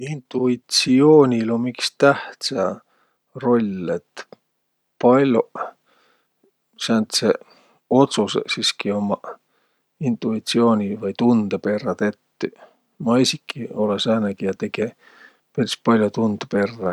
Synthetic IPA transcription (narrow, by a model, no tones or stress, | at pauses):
int̪uit̪sioːnʲilomikst̪æht̪sɑ | ro̞lʲet̪ | pɑlʲo | sænt̪se | o̞t̪sussiskio̞mɑ | int̪ˑuit̪sio̞ːnʲivɑjt̪und̪̥epe̞rːɑt̪e̞t̪ːy | mɑisikːˑio̞lesæːnekijɑt̪eɡ̥e | perispɑlʲjot̪und̪̥epe̞rːɑ